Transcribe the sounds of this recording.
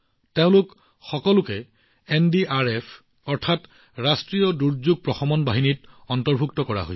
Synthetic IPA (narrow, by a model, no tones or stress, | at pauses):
teʊ̃lʊk | xɔkɔlʊkɛ | endiaɹepʰ | ɔɹtʰat | ɹastɹijɔduɹzuɡ̚pɹɔxɔmɔnbaɦinitɔntɔɹbʱuktɔkɔɹa̰ɦo̰j